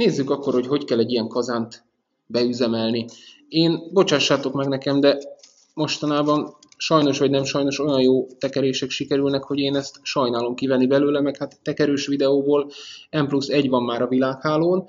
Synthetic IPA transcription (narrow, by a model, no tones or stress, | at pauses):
neːzːykɒkːo̞rho̞cho̞ckɛlːɛɟːijɛŋkɒzaːnt̪ | bɛyzɛmɛlni | eːnbo̞t͡ʃaːʃːaːt̪o̞kmɛɡnɛkɛmd̪ɛ | mo̞ʃt̪ɒnaːbɒn | ʃɒjno̞ʃʋɒɟnɛmʃɒjno̞ʃo̞jɒnjoːt̪ɛkɛɾeːʃɛkʃikɛɾylnɛkho̞ɟeːnɛst̪ʃɒjnaːlo̞mkivɛnːibɛløːlɛmɛkhat̪ːɛkɛɾøːʃʋid̪ɛoːboːlɛmplusːɛɟvɒmːaːɾɒvilaːkhaːloːn